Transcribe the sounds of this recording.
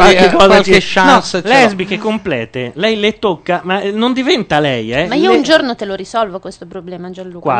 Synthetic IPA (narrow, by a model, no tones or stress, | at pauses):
alkekːɔːzaaleʃanɔslɛɛzbikekːomplɛ̰ːt̪elɛjlet̪ːokːamanond̪ivɛnt̪alɛjɛmaiːound͡ʒornot̪eloɾisɔlvokwest̪opɾoblɛːmad͡ʒalukwa̰